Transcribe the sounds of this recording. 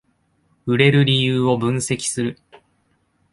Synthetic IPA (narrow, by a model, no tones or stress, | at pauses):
ɯ̟ɾe̞ɾɯ̟ɾʲijɯːo̞bɯ̟̃ɰ̃se̞kʲi̥sɨɾɯ̟